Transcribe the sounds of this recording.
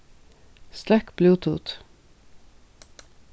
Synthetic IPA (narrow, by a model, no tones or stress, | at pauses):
st̪ækbluːt̪ʰṵːt̪